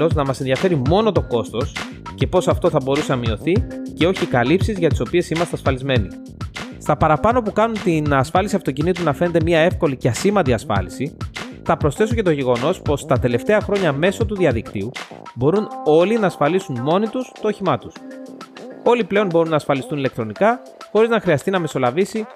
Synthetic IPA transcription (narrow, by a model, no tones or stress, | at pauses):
o̞znɐmɐsenðiɐfe̞ɾimo̞no̞t̪o̞ko̞st̪o̞s | ce̞po̞sɐft̪o̞θɐbo̞ɾusenɐmio̞θice̞o̞çikɐlipsizʝɐt̪i̥so̞pie̞simɐst̪eɐsfɐlizme̞ni | st̪ɐpɐɾɐpɐno̞pukɐnunt̪inɐsfɐlisiɐft̪o̞cinit̪̬unɐfene̞t̪e̞miɐe̞fko̞liceɐsimɐt̪iɐsfɐ̰lisiθɐpɾosθe̞suoce̞t̪o̞ʝe̞ɣo̞no̞spo̞st̪ɐt̪e̞le̞ft̪e̞ɐxɾo̞ɲɐme̞so̞t̪uðiɐðikt̪iubo̞ɾuno̞linɐːsfɐlisunmo̞nit̪ust̪o̞ːçimɐt̪us | o̞liple̞o̞nbo̞ɾunːɐːsfɐlist̪unile̞k̚t̪ɾo̞nikɐ | xo̞ɾiznɐxɾiɐst̪inɐme̞so̞lɐvisi